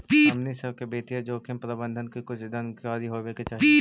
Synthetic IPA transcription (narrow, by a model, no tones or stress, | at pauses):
pːɐmnisɐbkebeːʈ̪iɛd͡ʒoːkʰempɾɐbə̃nd̪ʱənkikʊt͡ʃʰd̪ənkaːɾiɦoʋeːket͡ʃaiː